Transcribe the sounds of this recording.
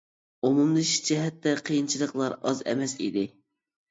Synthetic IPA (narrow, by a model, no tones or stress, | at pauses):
omumd̪ɨʃi̥d͡ʒʰɛɦɛt̪ːɛqʰijint͡ʃʰilˠəqlˠɑɾɑzɛ̰mɛsḭd̪ɪ